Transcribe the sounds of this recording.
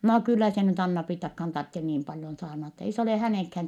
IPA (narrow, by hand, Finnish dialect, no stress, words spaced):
noː kylːæ se nyt ɑnːɑpriːtːɑkhɑːn tɑrtːen niːm pɑljon sɑːrnɑt ei s oleˑ hæneˑŋkhæːŋ